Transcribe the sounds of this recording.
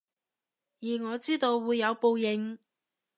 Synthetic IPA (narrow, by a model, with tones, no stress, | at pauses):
jiː˨˩ŋɔː˨˧t͡siː˥t̪o˧wːuː˨˧jːɐ˨˧wpo˧wjɪ˨˧ŋ